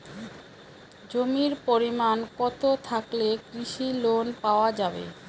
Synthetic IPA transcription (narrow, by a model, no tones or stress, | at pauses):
d͡ʑomiɾpoɾimankɔt̪ot̪ʰaklekɾiʃilonpaoad͡ʑabḛ